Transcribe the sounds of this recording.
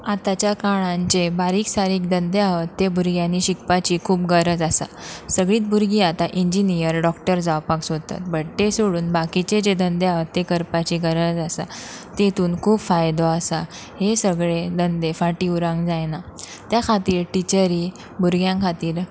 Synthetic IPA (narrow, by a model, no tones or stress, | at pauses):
at̪at͡ɕjakaɭ̃ãɲt͡ɕebaɾiːksaɾiːk̚d̪ənd̪eaʋət̪ːebuɾɡjãniɕikpat͡ɕiːkʰuːpɡəɾəd͡zasa̰səɡɭiːt̪̚bʱuɾɡiːat̪aʔiɲd͡ʑinijəɾɖɔkʈəɾd͡zawpaksot̪a̰t̪̚bəɽt̪esoɽuːnbakit͡ɕed͡ʑed̪ənd̪eaʋət̪ːekəɾpat͡ɕiːɡəɾəd͡zasa̰t̪et̪uːnkʰuːbfajd̪ɔasahesəɡɭed̪ənd̪efaʈiːuɾãŋɡd͡zajna | t̪jakʰat̪iːɾʈit͡ɕəɾiː | buɾɡjãkʰat̪iːɾ